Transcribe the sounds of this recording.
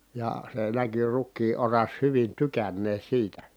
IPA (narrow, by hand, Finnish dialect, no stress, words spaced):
jɑˑ se næky rukːiː orɑs hyʋin tykænːeː siːtæ